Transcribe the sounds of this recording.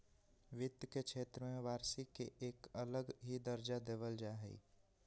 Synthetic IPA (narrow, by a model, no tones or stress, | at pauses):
ʋɪd̪jkekʃʰeːt̪ɾəmẽʋaːɾsikeʔeːkələɡɦid̪əɾd͡ʒad̪eːʋəld͡ʒaːɦɛḭː